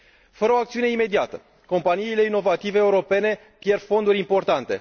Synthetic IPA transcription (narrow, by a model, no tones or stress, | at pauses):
fəɾəoak̚t̪siune̞ime̞d̪iat̪ə | ko̞mpaniːle̞ino̞vat̪ive̞ːuɾo̞pe̞ne̞ | pjerfo̞nd̪uɾʲimpo̞rt̪ant̪e̞̰